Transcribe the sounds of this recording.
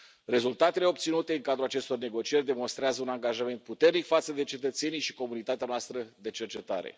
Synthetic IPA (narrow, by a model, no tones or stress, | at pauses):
re̞zult̪at̪e̞le̞o̞p̚t̪sinut̪e̞ɨŋkad̪ɾulat͡ʃe̞st̪o̞rne̞ɡo̞t͡ʃijerʲd̪e̞mo̞nst̪ɾeazəunaŋɡaʒame̞nt̪̚put̪e̞rnikfat̪səd̪e̞t͡ʃe̞t̪ət̪se̞nijʃi̥ko̞munit̪at̪eanoast̪ɾəd̪e̞t͡ʃe̞rt͡ʃe̞t̪a̰ɾe̞̰